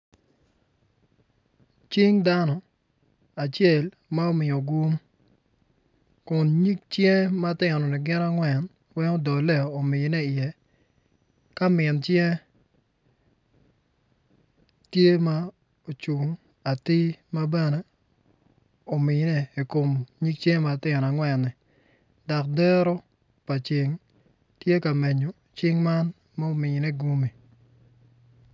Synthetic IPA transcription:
t͡ʃi˦ŋda˦nɔ˨ | a˨t͡ʃjɛ˨l | ma˦o˦mɪ˨o˨ɡu˦m | kʊ˨nɲi˦k̚t͡ʃjɛ˦ma˦tɛ˨nɔ˨ni˨ɡɪ˦na˦ŋwɛ˨n | wɛ˦ŋo˦dɔ˨lɛ˦˨o˨mɪ˨˦nɛ˦ɪ˨jɛ˨ | ka˦mɪ˨nt͡ʃjɛ˦ | tje˦ma˦ | o˨t͡ʃu˨ŋ | a˨ti˦ma˦bɛ˦ne˨ | o˨mɪ˨˦nɛ˦i˨ko˨mɲi˦k̚t͡ʃe˦ma˨tɪ˦˨na˨ŋwɛ˨nːɪ˨ | da˨k̚dɛ˦ɾo˦ | pa˨t͡ʃɪ˦ŋ | tje˦ka˨me˨ɲo˨ | t͡ʃɪ˦ŋma˦n | mɛ˦o˦mɪ˨nɛ˦ɡu˦mi˨

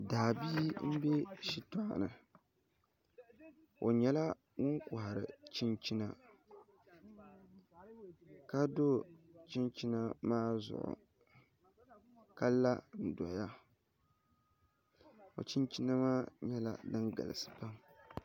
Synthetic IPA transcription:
daː˨biː˦m̩˦bɛ˦ʃi˦tɔ˦˨ʔa̰˨nɨ˨ | o˨ɲɛ˦la˦ | ŋʊ˦ŋkʊ˨ɦa˨ɾɨ̰˨t͡ʃi˦nt͡ʃi˦na˨ | ka˦do˦t͡ʃi˦nt͡ʃi˦na˦maː˦zʊ̰˨ʔʊ̰˨ | ka˦lːa˦n̩˨dɔ̰˨ja˦ | o̰˨t͡ʃi˦nt͡ʃi˦na˦maː˦ɲɛ˦la̰˨dɨ˦ŋɡa̰˨lɨ̰˨sɨ̥˨pa˦m

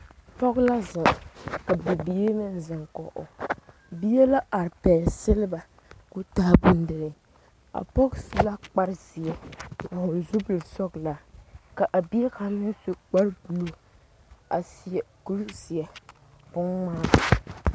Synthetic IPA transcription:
tɔ˦ɡla˦zɪ˨ka˨bi˨bi˨je˦nɨ˦n˨zɪ˨ŋkɔ˨ʔo̰˨ | bi˦jɛ˦la˦a˨ɾpɛː˨sɪ˦lɪ˦ba˨ | ku˦ta˦bu˦n˦dɨ˨ɾɪ˨ | a̰˨pɔ˦ksla˦k͡pa˦ɾzi˨ɛ˨a˨hʊ˨lzu˦bɨ˨lsɔ˦ɡla˨ka˨ʔa˨bi˦ɛ˦ka˨˦nɨ˦n˦su˦k͡pa˦ɾbu˨lo˨ | a˨si˨ɛ˨ku˦ɾzi˨ɛ˨ | bʊ˦ŋmaː˦a˨

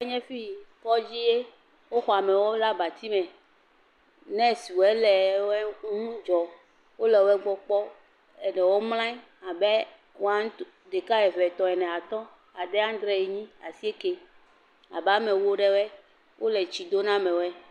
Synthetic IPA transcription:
ɲɛ̃˦fi˦kɔ˦d͡ʑi˦je˦ | wo˦xɔ˨a˨mɛ˨wo˦la˦ba˨t̪i˦mɛ̃˨ | nɛ̃˦si˨wo˨ɛ˦lɛ˨wɛ˦ŋũ˦d͡ʒɔ˨ | wo˦lɛ˨wo˦ɛ˦ɡ͡bɔ˦k͡pɔ˦ | ɛ˨nɛ˨wɔ˦mlã˦i˦ | a˨bɛ˦ | wo˦a˦ŋ˦ | d̪e˨ka˦ɛ˨vɛ˨t̪ɔ̃˨ɛ˨nɛ̃˨a˨t̪ɔ̃˦ | a˨ɖɛ˦a˦d̪ɾɛ˦je˨ɲĩ˦a˨si˦e˦ke˦ | a˨ba˦mɛ̃˨wu˦o˦ɖɛ˦wɛ˦ | wʔo˦lɛ˨t͡ɕi˨d̪o˦nã˦mɛ̃˨wo˦ɛ˦

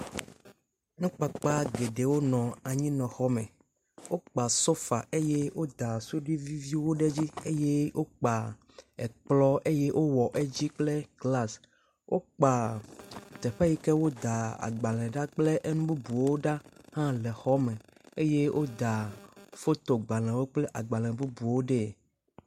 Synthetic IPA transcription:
nũ˦k͡pa˨k͡pa˦ɡe˨ɖe˨wo˦nɔ̃˨a˨ɲĩ˦nɔ̃˨xɔ˦mɛ˨ | wo˦k͡pa˨so˦fa˨ʔe˦je˦wo˦d̪a˨su˦ɖi˦vi˦vi˦wo˦ɖe˦d͡ʑi˦e˦je˦wʔo˦k͡pa˨ | ɛ˨k͡plɔ˦e˦je˦ʔo˦wɔ˨ʔe˦d͡ʑi˦k͡ple˦ɡla˦s | wʔo˦k͡pa˨ | t̪ɛ˨ɸa˦ji˦kɛ˦wo˦d̪a˨a̰˨ɡ͡ba˨l̃ɛ̃˨ɖa˦k͡ple˦ʔe˦nũ˦bu˦bu˨wo˦ɖa˦hã˦lɛ˨xɔ˦mɛ̃˨e˦je˦wʔo˦d̪a˨fo˦t̪o˨ɡ͡ba˨l̃ɛ̃˨wo˦k͡ple˦ʔa˨ɡ͡ba˨lɛ̃˨bu˦bu˨wo˦ɖɛ˦˨

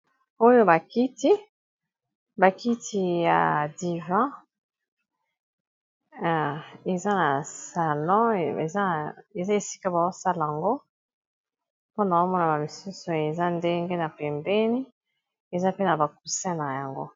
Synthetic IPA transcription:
o˦jo˦ba˨ki˦ti˦ | ba˨ki˦tʰi˦ja̰˨di˨vã˦˨ | e˨za˦na˨sa˨lɔ̃˦e˨za˦˨e˨za˦e˨si̥˦ka˦ba˨o˦sa˦la˨a˨ŋɡo˦ | po˦na˨o˦mɔ˦na˨ba˨mi˨su˦so˨e˨za˦nde˦ŋɡe˦na˨pe˨mbe˦ni˦ | e˨za˦pe˦na˨ba˨k̚u˨sɛ̃˦na˨ja˨ŋɡo̰˦

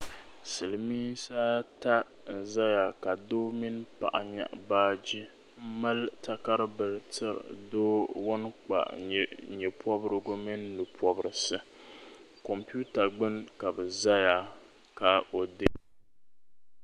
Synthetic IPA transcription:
sɨ˨lɨ˨miː˦sa˦a˦ta˦ | n̩˨za˦ja˨ka˨doː˦mi˦n˦pa̰˨ʔa̰˨ɲa̰˨ʔbaː˦d͡ʒi˦ | m̩˦ma˦lta˦ka˦ɾɨ˦bɨ˨ɾɨ˨tɨ˦ɾ̰doː˦wʊ˦nk͡pa̰˨ɲɛ˨pʰɔ˦bɨ˦ɾɨ˦ɡʊ˦mi˦n˦lɨ˨pʰɔ˦bɨ˨ɾɨ˨sɨ˦ | kɔ˨mpi˦u˦ta˨ɡ͡bɨ˦nka˨bɨ˨za˦ja˨ | ka˨o˨dɨ˦

